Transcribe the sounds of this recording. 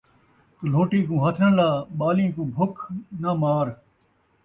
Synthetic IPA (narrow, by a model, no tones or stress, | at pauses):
k̪əl̤oːʈĩːkũːɦət̪ʰəɳlaːɓaːlĩːkũːbʱʊkʰnaːmaːɾ